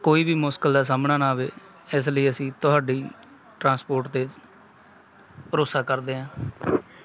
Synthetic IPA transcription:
koːiːbʱiːmoːskəld̪aːs̬aːmnaːnaːʋeː | ɪs̬ləiːəsĩːt̪ʊɦaːɖiː | ʈɾãːspoːɾʈt̪eː | pəɾoːsaːkəɾd̪eːɦãː

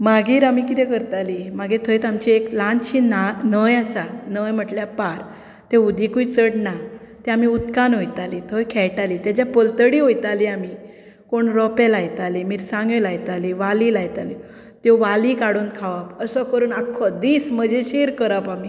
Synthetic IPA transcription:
maɡiːɾamikit̪ɛ̃kəɾt̪alimaɡit̪ʰəjt̪amt͡ɕieklãnɕinanəjasanəjm̤əʈljapaɾ | t̪eud̪ʱikut͡səɽna | t̪ɛamiut̪kanɦojt̪alit̪ʰəjkʰɛɭʈalit̪jat͡ɕjapəlt̪əɽiːɦojt̪aliami | koɳɾɔpɛ̃lajt̪alimiːɾsãŋɡelajt̪aliʋalilajt̪ali | t̪jɔʋalikaɽuːnkʰaʋapəsɔkəɾuːnakʰːɔd̪iːsm̤əd͡ʑeɕeɾkəɾapami

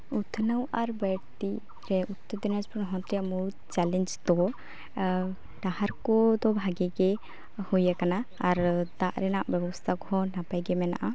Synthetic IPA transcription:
ut̪ʰnəwaɾbəɽt̪i | ɾɛut̪ːɔd̪inad͡ʒpnɦɔ̃t̪ɾijamut̪t͡ʃalɛnd͡ʒt̪ɔ | ɖaɦaɾkɔd̪ɔbʱaɡɛɡɛ | hujakanaaɾd̪aʔɾɛnaʔbɛbɔst̪ʰakɔɦɔnapajɡɛmɛna̰ʔa

